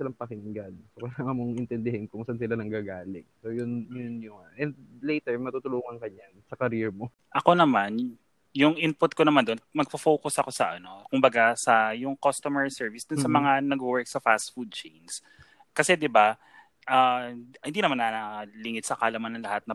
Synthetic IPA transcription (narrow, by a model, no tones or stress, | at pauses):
sɪlaŋpɐkɪnɪŋɡad̪̚sokɐlaːŋɐmoŋʔɪnt̪ɛnd̪ɪhɛnkʊŋsansɪlanɐŋɡaɡaːlɪk̚soːjʊnjʊnjʊŋʔɛnd̪̚lejt̪ɛɹmɐt̪ut̪ʊluːŋɐŋkɐɲansɐkɐɾiɛɹmo | ʔɐko̞nɐman | jʊŋʔɪnpʊt̪̚konɐmand̪onmɐɡ̚pɐfoːkʊsɐko̞sɐʔɐno̞kʊmbɐɡasɐjʊŋkost̪omɛɹsɛɹvisd̪ʊnsɐmɐŋanɐɡowɛɹk̚sɐfast̪fud̪̚t͡ʃejns | kɐsɛd̪ɪba | ʔahɪnd̪iːnɐmanːɐlɪŋɪt̪sɐkaːlɐmɐnɐŋlɐhat̪̚nɐ